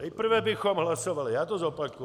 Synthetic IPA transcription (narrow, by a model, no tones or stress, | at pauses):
ɛjpr̩ʋɛbixɔmɦlasɔʋalijat̪ɔzɔpakɔ